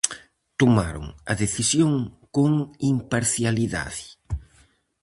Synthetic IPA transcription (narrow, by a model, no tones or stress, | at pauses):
t̪oma̰ɾo̰ŋa̰ðeθisjoŋkoŋimpaɾθjaliða̰ðɪ